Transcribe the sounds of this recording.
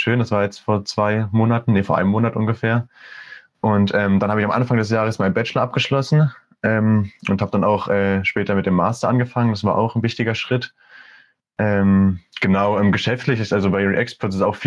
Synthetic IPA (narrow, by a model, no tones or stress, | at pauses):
ʃøːndasv̥aːɐjɛt͡stfoːɐt͡sv̥aɪmoːnatn̩nefoɐʔa̰ɪnəmoːnatʔʊnɡəfeːɐ | ʔʊntʔɛːmd̥anhaːbəɪçamʔanfaŋdɛsjaːʁ̞əsmaɪnbɛt͡ʃlɐʔap̚ɡ̥əʃlɔsn̩ | ʔɛːmʔʊnthaːbəd̥anaʊxʔɛːʃpɛːtɐmɪt̚d̥eːmːaːstɐʔanɡəfaŋənd̥asv̥aːɐʔa̰ʊxn̩vɪçtɪɡɐʃʁ̥ɪt | ʔɛːmɡ̥ənaʊʔɛːmɡəʃɛftlɪçɪstalzobaɪʁiʔɛkspɔtɪsaʊxfiː